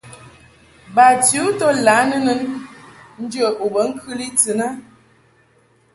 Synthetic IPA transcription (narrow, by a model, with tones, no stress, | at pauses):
ba˨tu˨˦to˦la˨˦nə˦nə˦n | n̩˦d͡ʒə˦˨ʔu˨bə˨˦ŋ̩˦kʰɨ˦li˦t͡sɨ˨na˦